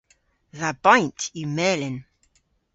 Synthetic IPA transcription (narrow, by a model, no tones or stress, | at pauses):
ðəb̥ãɪ̃ntʰumɛːlɪ̃n